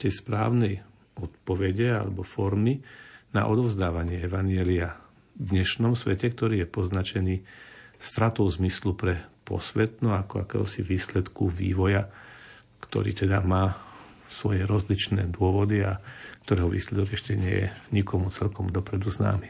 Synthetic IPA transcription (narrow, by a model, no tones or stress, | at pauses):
t̪ɛjspɾa̰ːʊnɛj | ɔt̪pɔʋɛɟɛa̰lɛ̰bɔfɔɾmina̰ʔɔd̪ɔʊzd̪aːʋaɲɪɛɛʋaɲjɛlia | d̪ɲɛʃnɔmsʋɛcɛkt̪ɔɾiːjɛpɔznat͡ʃɛniːst̪ɾat̪ɔʊzmislupɾɛpɔ̰sʋɛt̪nɔakɔa̰kɛ̰ːɦɔ̰siʋiːslɛt̪kuʋḭːʋɔja | kt̪ɔ̰ɾḭːt̪ɛd̪amaː | sʋɔjɛɾɔzlit͡ʃnɛːd̪ʊɔʋɔd̪iakt̪ɔɾɛːɦɔʋḭːslɛd̪ɔɡɛʃcɛɲɪɛ̰jɛ̰ɲikɔmut͡sɛlkɔmd̪ɔpɾɛd̪uzna̰ːmi